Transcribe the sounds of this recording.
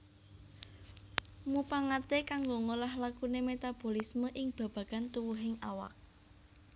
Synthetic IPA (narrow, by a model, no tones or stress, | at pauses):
mupaŋat̪ekaŋɡoŋolahlakunemet̪ab̥o̤lisməʔɪŋb̥ä̤b̥ä̤ɡ̥ant̪uwuɦɪŋawa̰k̚